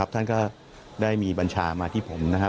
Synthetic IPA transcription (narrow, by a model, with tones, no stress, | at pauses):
a˦˥p̚t̪ʰa˥˩nkɔː˥˩ | daː˥˩jmiː˧ba˧nt͡ɕʰaː˧maː˧t̪ʰiː˥˩pʰo˩˦mna˦˥kʰa˦˥